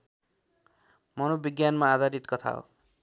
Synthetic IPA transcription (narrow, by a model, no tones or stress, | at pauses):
mʌnobiɡjanmaːd̪ʱaɾit̪kʌt̪ʰa̰o̰